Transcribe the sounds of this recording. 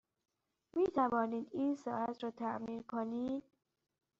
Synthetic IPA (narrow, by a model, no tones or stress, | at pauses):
miːt̪ʰævɒːniːd̪iːnsɒːæt̪ʰɾɒːt̪ʰæʔmiːnkʰoniːd̪̥